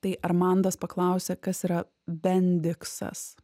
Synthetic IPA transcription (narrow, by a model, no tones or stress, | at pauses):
t̪ɐɪʔɐɾmɐˑnd̪ɐspɐklˠɐʊsʲekɐsiːɾɐ | bʲɛnʲd̪ʲɪksɐ̰s